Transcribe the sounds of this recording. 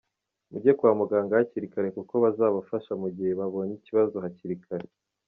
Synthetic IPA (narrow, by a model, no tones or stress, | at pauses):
muɟekwaːmuɡaːŋɡahaciɾikaɾe̞kuko̞βazaːβafaʃamuɟihe̞βaβo̞niciβazohaciɾikʰaɾe